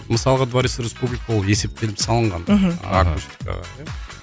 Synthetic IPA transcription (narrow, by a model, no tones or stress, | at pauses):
məsɑlˠəʁəd̪vaɾisɾʲespublikəolje̞se̞p̚t̪ʰe̞lɪpsɑlˠəɴʁɑn̰a̰kusʲt̪ʲi̥ka̰ʁɑ̰ja